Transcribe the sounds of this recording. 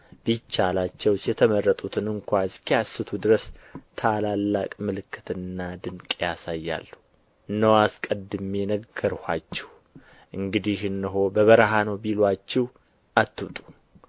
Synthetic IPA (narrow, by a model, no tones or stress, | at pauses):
bit͡ʃːalat͡ʃːɛwsjɛt̪ʰəmərːət̪ʼut̪ʰɨnɨŋkʷaɨskʰijasːɨt̪ʰud̪ɨɾəst̪ʰalalːakʼmɨlɨkʰːɨt̪ɨnːad̪ɨŋkʼjasajːa̰lːu | nːəwaskʼəd̪ːɨmɛnəɡːəɾhat͡ʃːɛ̥w | ʔɨŋɡɨd̪ihɨnːɨɦo̞bəβəɾɦanəwbilwat͡ʃːɛw | at̪ːut̪ʼu̥